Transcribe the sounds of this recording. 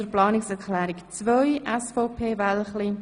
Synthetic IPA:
əɾplɑːnɪksɛɾkʰlɛːɾikt͡svœjʔɛsfɔʊpʰeːvɛlχli

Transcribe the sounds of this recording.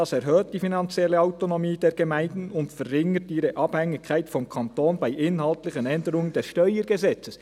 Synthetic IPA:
ɑsɛɾɦøːtt̚d̥ifinɑnt͡sjɛlːəaʊtonomiːd̥ɛːɾɡɛmæɪndn̩ʊntfərːɪŋətiːɾəʔɑb̥hɛŋːɪkʰaɪtfɔmkʰɑntoːnbaɪʔɪnɦɑltlɪçənɛndəɾʊŋəndɛsʃtœʏəɾɡ̥əzɛt͡səs

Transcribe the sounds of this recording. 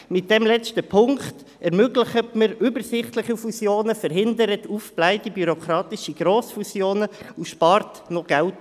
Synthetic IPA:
mɪt̚d̥ɛmlɛt͡stəpʰʊŋkt | ɛɾmøɡləχətməɾybəɾsɪχtləχifusjoːnəfəɾɦɪndəɾətufplaɪdibyɾokɾɑːtɪʃiɡ̥ɾoːsfusjoːnəuʃpɑːrt | nɔɡ̥ælt

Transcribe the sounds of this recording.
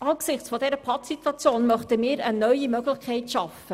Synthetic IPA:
ʔɑːksɪχt͡sfɔdɛɾəpʰɑtsitvɑt͡sjoːnmœχtəmɪːɾənœʏimøɡlɪçkʰæɪtʃɑfə

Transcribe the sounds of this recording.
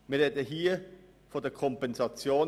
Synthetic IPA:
miːedəɦiːɐ | foːdeːɐkʰɔmpɛnzɑt͡sjoːn

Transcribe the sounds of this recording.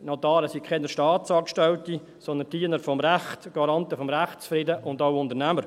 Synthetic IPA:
nɔt̪ɑːɾəsikkʰɛnəʃtɑːtsɑːkʃtɛwt̪i | sɔnd̪ənd̥iːənəɾfɔmɾæχt̪ɡ̥ɑɾɑnt̪əfɔmɾæχtsfɾɪdəʔʊnd̪aʊʊnd̪əɾnæməɾ

